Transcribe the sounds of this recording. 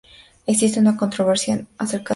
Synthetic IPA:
eksist̪eunako̞nt̪ɾoβeɾsjonaseɾka

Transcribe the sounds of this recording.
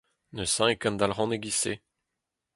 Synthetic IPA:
nəsɛ̃ekãnd̪alʁɑ̃neɡise

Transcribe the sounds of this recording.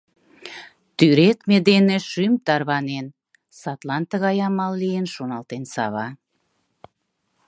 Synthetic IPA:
t̪yɾet̪med̪eneʃymt̪ɑrβɑnen | sɑt̪lɑnt̪əɣɑjɑmɑlːijenʃonɑlt̪ensɑ̰βɑ

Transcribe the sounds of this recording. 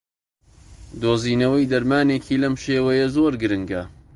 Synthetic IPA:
d̪oːziːnɐwɐjd̪ɐɾmaːneːkʰiːlɐmʃeːwɐjɐzoːɾɡɨɾɨŋɡɐ

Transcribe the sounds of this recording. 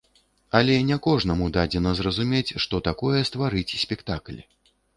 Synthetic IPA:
ɐlʲɛnʲɛkɔʐnɐmud̪ad͡zʲɛnɐzrɐzumʲet͡sʲʂt̪ɔt̪akɔjɛst̪vaɾɨt͡sʲisʲpʲɛkt̪aklʲɛ

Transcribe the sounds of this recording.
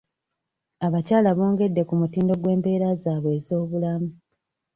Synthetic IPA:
aβacaːlaβo̞ːŋɡe̞dːe̞kumutiːndo̞ɡwe̞ːmbe̞ːɾazaːβwe̞ːzo̞ːβulamu

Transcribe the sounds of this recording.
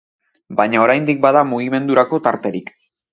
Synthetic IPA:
bajɲao̞ɾajnd̪ik̚bað̞amuɣ̞ime̞nd̪uɾako̞t̪aɾt̪e̞ɾik

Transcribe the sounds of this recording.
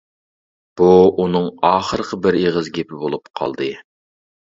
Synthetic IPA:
b̥uunɨŋɑːχəɾəqʰəbɪɾeʁəzɡʲepʰɪbolˠupqʰɑ̰lˠd̪ɨ

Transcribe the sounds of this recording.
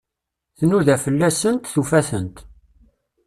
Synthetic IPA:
θənuðæfəlːæsənt̪θufæθənt̪

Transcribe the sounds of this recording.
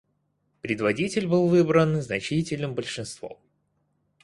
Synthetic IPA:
pɾʲɪd̪vɐdʲitʲɪlʲbɨlˠvɨbɾənznɐt͡ɕitʲɪlʲnɨmbəlʲʂɨnst̪vo̰m

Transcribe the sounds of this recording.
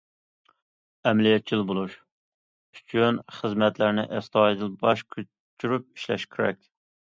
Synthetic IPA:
ɛmlijɛt̪̚t͡ʃʰilˠbolˠuʃ | yt͡ʃʰynχəzmɛt̪læɾnɪ̰ʔɛst̪ɑːjid̪ɨlbɑʃkʲʰø | t͡ʃʰyɾyp̚i̥ʃlɛ̰ʃkʲʰɪɾɛ̰kʲ

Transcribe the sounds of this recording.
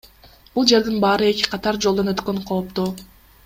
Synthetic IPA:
b̥ulˠd͡ʒe̞ɾd̪inbɑːɾɯe̞ki̥qʰɑt̪ɑɾd͡ʒolˠd̪o̞nøt̪køɴqʰo̞ːpt̪uː

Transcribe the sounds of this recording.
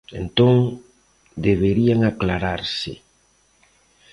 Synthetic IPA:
ḛnt̪oŋ | d̪eβeɾiaŋaklaɾaɾsɪ̰

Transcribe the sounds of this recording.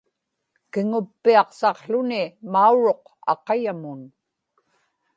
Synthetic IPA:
kɪŋʊpːiɑqsɑqɬʊnɪmauɻo̞q | ɑ̰qɑjamʊn

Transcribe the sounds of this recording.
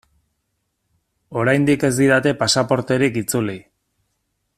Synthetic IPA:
o̞ɾajnd̪ike̞zd̪iɾat̪e̞pasapo̞ɾt̪e̞ɾikit͡suli

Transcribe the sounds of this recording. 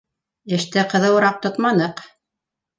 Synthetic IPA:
ɘ̆ʃt̪ɘqɤ̆ðɤ̆wɤ̆ɾɑq̚t̪ot̪mɑnɤq

